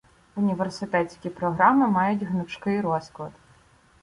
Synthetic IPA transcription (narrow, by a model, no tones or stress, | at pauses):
ʊnʲiʋersɪt̪ɛt͡sʲkʲipɾɔɦɾɑmɪmɑjʊtʲɦnʊʃkɪjɾɔsklˠɐd̪